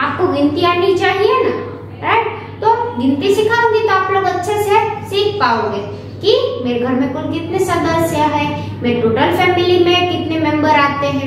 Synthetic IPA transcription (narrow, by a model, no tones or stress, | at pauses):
aːp̚koɡɪ̃nt̪iaːnit͡ʃaːɦiena | ɾaɪʈ | t̪oaːpɡɪ̃nt̪isɪkʰaoːɡit̪oaːploːɡɐtːʃʰesesiːkʰpaːoːɡeː | kimeːɾeɡʱɐɾmẽkʊlkɪt̪nesɐɾd̪əsjaɦɛ̃ː | meːɾeʈoːʈəlfɛːmɪlimẽkɪt̪nemɛ̃mbəɾaːt̪eɦɛ̃ː